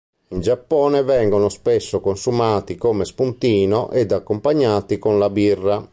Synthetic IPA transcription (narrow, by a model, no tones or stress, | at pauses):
ind͡ʒapːɔːnɛvɛŋɡonospɛsːokonsumaːt̪ikoːmɛspunt̪iːnɔʔɛd̪akːompaɲːaːt̪ikonlabirːa